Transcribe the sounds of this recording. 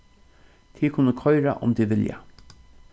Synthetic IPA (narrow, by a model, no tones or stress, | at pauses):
t̪ʰiːkʰʊnːəkʰɔjɾa̰ʔʊ̰mt̪ʰiʋɪlja̰